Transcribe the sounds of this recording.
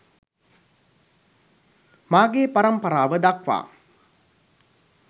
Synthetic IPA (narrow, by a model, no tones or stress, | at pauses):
maːɡeːpaɾɐmpəɾaːʋəd̪akʋa̰ː